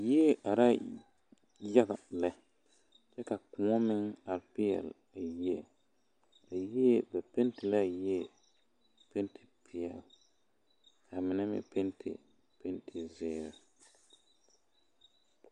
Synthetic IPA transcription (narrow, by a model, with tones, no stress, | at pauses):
ji˦e˦ʔa˨ɾa˦ | ja˦ɡa˨la˨ | t͡ʃɛ˦ka˨kʊ˨ɔ˦mɪ˦ŋa˨lpɪ˦ɛ̰˨l | a˨ji˦˨ | a˨ji˦ɛ˦bɛ˨pe˦ntɪ˨la˦˨ji˦ɛ˦˨ | pe˦ntʰɪ̥˨pʰɪ˨ɛ˨l | kʰa˨mɪ˨na˦mɪ̰˨pe˦ntʰɪ̰˨ | pe˦ntʰɪ˨zɪː˦ɾɪ˨